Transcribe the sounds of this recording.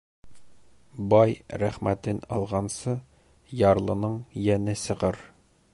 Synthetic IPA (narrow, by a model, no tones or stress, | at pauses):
bɒjɾæχmæt̪ɘnɒlˠʁɑnsɤ | jɑɾlˠɤ̆nɤɴjænɘsɤ̆ʁɤɾ